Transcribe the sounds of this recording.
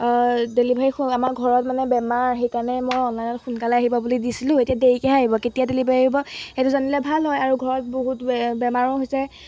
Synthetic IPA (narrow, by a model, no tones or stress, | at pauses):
delibaixamaɹɡʱɔɹɔtmanɛbɛmaɹxejkaɹnɛmojɔnlajnɔtxunkalaaɦibɔbulidisilʊ̃etijadeɹikɛaɦibɔketijadelibʱaiibɔetʊzanilɛbʱalɦɔjaɹuɡʱɔɹɔt̚boɦutbɛmaɹɔɦojsɛ